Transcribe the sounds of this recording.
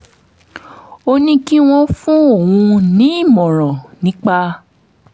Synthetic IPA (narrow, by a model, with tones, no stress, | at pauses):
o˧nĩ˧ki˦w̃ɔ̃˧fũ˦o˦˨wũ˧nĩ˨˦i˦˨mɔ̃˨ɾ̃ɔ̃˨nĩ˨˦k͡pa˧